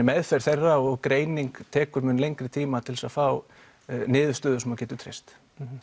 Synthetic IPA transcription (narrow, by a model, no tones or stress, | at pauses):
mɛðfɛjɾ̥θejrːaɔɣkɾeːjniŋkt̪ʰɛːkʏɾmʏnlejŋkɾɪt̪ʰiːmat̪ʰɪlsaðfaw | nɪːðʏst̪ʏːðʏsɔmawcɛːt̪ʏt̪ʰɾḛjst̪